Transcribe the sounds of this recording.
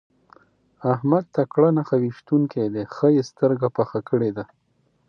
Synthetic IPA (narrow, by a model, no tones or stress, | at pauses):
ahmad̪̚t̪akɽanaxawiʃt̪uŋked̪exəjest̪əɾɡapaxakəɽed̪a